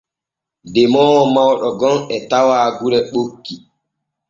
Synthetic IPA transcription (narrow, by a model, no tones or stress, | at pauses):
dɛmɔːwɔmawɗɔɡɔnɛtawaːɡuɾɛɓokːi